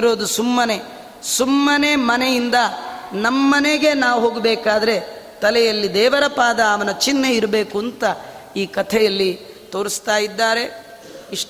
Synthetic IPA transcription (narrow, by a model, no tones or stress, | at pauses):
ɾo̞ːd̪usumːɐne̞ | sumːɐnemɐnejind̪ɐnɐmːɐːɐneɡe̞naːʋuɦo̞ːɡbɛːkaːd̪ɐɾe̞t̪ɐlɛjɐlːid̪ɛːʋɐɾɐpaːd̪ɐːʋɐnɐt͡ʃinːeiɾɐbeːkuɐnt̪ɐ | iːkɐt̪ʰɛjɐlːi | t̪o̞ːɾist̪aːjid̪ːaːɾe̞ | iʂ